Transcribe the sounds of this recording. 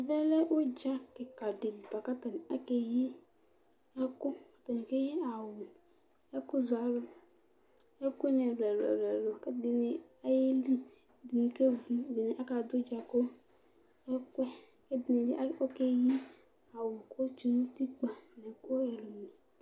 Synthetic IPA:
a˨vɛ˦lɛ˦ʔo˦d͡ʒa˦ke˨ka˨de˨li˨ta˨ka˦ta˨ni˨a˦ke˦ji˦ | ɛ˦kʊ˦ka˨ta˨ni˨ke˦ji˦a˨wʊ˨ | ɛ˦ku˦za˨lo˦ | ɛ˦kʷe˦nɛ˨ɾɛ˨lɛ̰˨lɛ˨lo˨ke˦dɪ˨ne˨ | a˦je˦li˦˨ | di˨ni˨ke˦vu˦dɪ˨ne˨ʔa˦ka˨dʊ˦d͡ʒa˨ko˦ | ɛ˦kʷɛ˦ | ke˦bi˨ne˨dḭ˦ʔa˦o˦ke˦ji˦ | a˨wʊ˨ko˦t͡ʃi˦nu˦ti˦k͡pa˨nɛ˨ko˦ɛ˨lo˨mi˨

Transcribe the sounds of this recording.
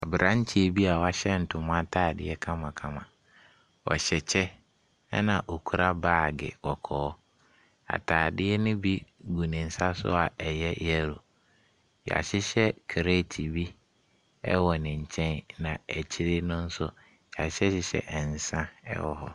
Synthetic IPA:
a˨bɪ˨ɾʔã˦ɲ̩˦t͡ɕʰi˦e˨bi˦a˨wɔ˦˨a˦ɕɛ˦n̩˨tʰʊ̃˨m˦ã˦tʰaː˨dɪ˦ɛ˦kʰã˦mã˨kʰã˦mã˨ | wɔ̰˨ɕɛ˨t͡ɕʰɛ˦ | ɛ̰˦nã˨ʔo˨kʰu˨ɾa˦baː˦˨ɡɪ̰˨kɔ˨kʰɔː˨˦ | a̰˨tʰaː˨dɪ˦ɛ˦nʊ̃˦bi˦ɡu˨nɪ̃˨n̩˨sa˦sʊ̰˦a˨ɛ˨jɛ˦jɛ˦ɾo˨ | ja̰˨ɕɪ˦ɕɛ˦kʰe˨ɾe˦˨tʰi˨bi˦ | ɛ̰˦wɔ˨nɪ̃˨ɲ̩˨t͡ɕʰɛ̃˦nnã˨ɛ˨t͡ɕʰɪ˦ɾɪ˦nʊ̃˦n̩˦sʊ˦ | ja˨ɕɛ˦ɕɪ˨ɕɛ̰˨ʔɛ˨n̩˨sã˦ɛ̰˦wɔ˨hɔ˨

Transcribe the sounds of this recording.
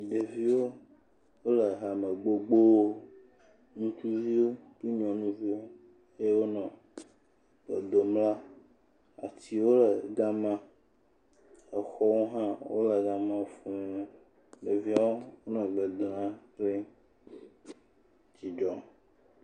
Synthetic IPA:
ɖe˨vi˦wo˦ | wo˦lə˨ɦa˨mə˨ɡ͡bo˦ɡ͡bo˦o˦ | nũ˦t͡ʃu˦vi˦wo˦ki˦ɲ˦ɔ̃˨nũ˦vi˦ | e˦wo˦nɔ̃˨ | ɡ͡be˨d̪o˨mla˦ | a̰˨ti˨wo˦lə˨ɡã˦mã˦ | ə˨xɔ˦wo˦ɦã˦wo̰˦lə˨ɡa˦mã˦˨fũ˦ũ˦ | ɖe˨vi˦a˦wo˦wo˦nɔ̃˨ɡ͡be˨d̪ɔ˨nã˦kle˦ | t͡ʃi˨d͡ʒɔ˨

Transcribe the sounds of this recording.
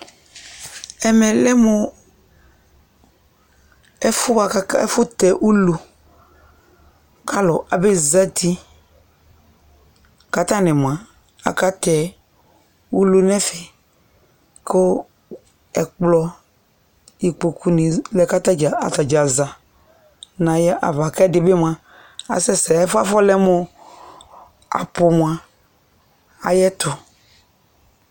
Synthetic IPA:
ɛ˨mɛ˨lɛ˦mʊ˦ | ɛ˦fʊ˦a˨˦ɛ̰˦fʊ˦t̪ɛ˨ʔu˦lo˨ | ka˦lɔ˨ʔa˨be˦za˦t̪i˦ | ka˦t̪a˦nɛ̃˨m˨ã˨ | a̰˨ka˦t̪ɛ˨ | u˦lo˦nɛ˦fɛ˨ | kʊ˦ | ɛ˨k͡plɔ˦ | i˨k͡po˨kʰu˦nɪ̃˨lɛ˦ka˦ta˦d͡ʒa˨a̰˨ta˨d͡ʒa˨za˨ | nã˨jɛ˦ʔa̰˨va˨kɛ˦dɪ˨bɪ˦mã˨ | a̰˨sɛ˦sɛ˨ɛ˦fa˦fɔ˦lɛ˦mʊ˦ | a̰˨pʊ˨m˨a˨ | a̰˨jɛ˦tʊ˨

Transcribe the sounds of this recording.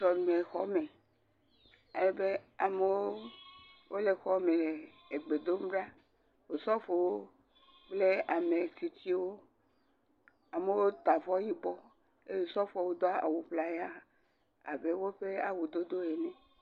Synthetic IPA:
sɔ˨nũ˨me˨xɔ˦me˨ | a˨le˦be˦a˨me˦wo˦ | wo˦le˨xɔ˦me˨ | e˨ɡ͡be˨d̪o˦m̩˦ɖa˦ | wo˨sɔ˦fo˨wo˦ | k͡ple˦a˨me˨t̪i˨t̪i˦wo˦ | a˨me˨wo˦t̪a˨vɔ˦ɲĩ˦bɔ˦ | e˦je˨sɔ˦fɔ˨wo˦d̪ɔ˦a˦a̰˨wu˨ɸla˨ja˦ | a̰˨be˦wo˦ɸe˦a˨wu˨d̪o˦d̪o˦e˨nɛ̃˨

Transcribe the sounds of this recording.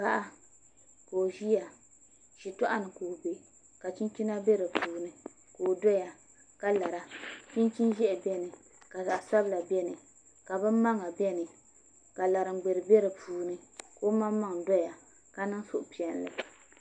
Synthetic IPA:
ba˦ʔa˦ | koː˨ʒi˦ja˨ | ʃi˨tɔ˦ʔa˦nɨ˨koː˨be˨ | ka˨t͡ʃi˦nt͡ʃi˦na˦be˦ɾɨ˨puː˨nɨ˨ | koː˨dɔ˦ja˨ | ka˦la˨ɾa˦t͡ʃi˦nt͡ʃi˦n˦ʒɛ˦ʔɪ˨bɛ˦nɨ˨ | ka˨za˨ʔa˨sa˦bla˨bɛ˦nɨ˨ | ka˨bɨ˦m˦mːa˦ŋa˨bɛ˦nɨ˨ | ka˨la˨ɾɨ˨ɡ͡be˨ɾɨ˨bɛ˦ɾɨ˨puː˨nɨ˨ko˦ma˦mː˦a˦ŋ˨dɔ˦ja˨ | ka˦nɨ˦ŋ˦so˨ʔʊ˨pi˨ɛ˨nlɨ˨

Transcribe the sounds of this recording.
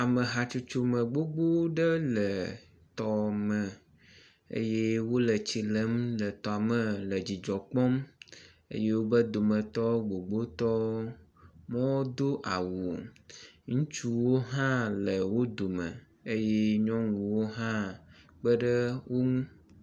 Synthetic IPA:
a˨mə˨ɦa˨t͡ʃu˦t͡ʃu˦mə̃˨ɡ͡bo˦ɡ͡bo˦ɖə˦lə˨ | t̪ɔ˨mə̃˨ | ḛ˦je˦wo˦lə˨t͡ɕi˨lə˦mlə˨t̪ɔ˨a˨mə̃˨lə˨d͡ʑi˨d͡ʒɔ˨k͡pɔ˦m | ḛ˦je˦wo˦bə˦d̪o˨mə̃˨t̪ɔ˦ɡ͡bo˨ɡ͡bo˦t̪ɔ˦ | mɔ̃˦wo˦d̪o˦ʔa˨wu˨ | ŋũ˦t͡ʃu˦wo˦ɦã˦lə˨wo˦d̪o˨mə̰̃˨ | e˦je˦ɲɔ̃˦ŋũ˨wo˦ɦã˦ | k͡pə˦ɖə˦wo˦ŋũ˦

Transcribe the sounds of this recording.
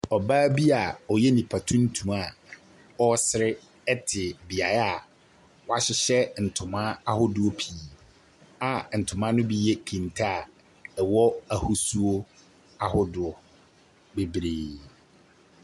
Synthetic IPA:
ɔ˨baː˦bi˦a˨ɔ˨jɛ˦nĩ˨pʰa˨tʰũ˦n̩˦tʰũ˨ma˨ | ɔ˦sɪ˦ɾɪ˦ | ɛ˦tʰɪ˨bi˨a˨ɾa˨ | wɔ˦a˨ɕɪ˦ɕɛ˦n̩˨tʰʊ̃˨mã˦a˦hʊ˦dʊ˦ɔ˦pʰi˨˦ | a˨n̩˨tʰʊ̃˨mã˦nʊ̃˦bi˦jɛ˦kʰĩ˨ntʰa˦a˨ | ɛ˨wɔ˦a˨hʊ˦su˦o˦ | a˦hʊ˦dʊ˨ɔ˨ | be˨bɾeː˨

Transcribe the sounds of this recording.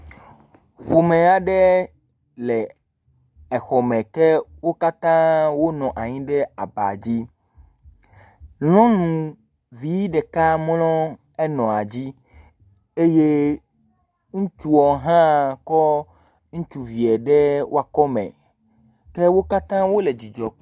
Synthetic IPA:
ɸo˨mẽ˨a˨ɖɛ˦ | lɛ˨ | ɛ˨xɔ˨mɛ̃˨kɛ˦wo˦ka˦t̪ã˦wo˦nɔ̃˨ʔa˨ɲĩ˦ɖɛ˦a˨ba̰˨d͡ʑi˦ | lɔ̃˦nũ˨ | vi˦ɖɛ˨ka˦mlɔ̃˦ | ɛ˦nɔ̃˨a˨d͡ʑi˦ | e˦je˦ | ŋũ˦t͡ʃu˦ɔ˨ɦã˦kɔ˦ | ŋũ˦t͡ʃu˨vi˨ɛ˨ɖɛ˦wʔo˦a˨kɔ˦mɛ̰̃˨ | kɛ˦wo˦ka˦t̪ã˦wo˦le˨d͡ʑi˨d͡ʒɔ˨

